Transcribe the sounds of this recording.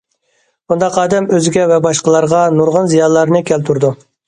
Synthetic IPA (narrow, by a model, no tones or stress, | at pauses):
und̪ɑqɑːd̪ɛmøzɪɡʲɛvɛbɑʃqəlˠɑɾʁɑnuɾʁənzijɑnlˠɑɾnɨkʲʰælt̪ʰuɾd̪u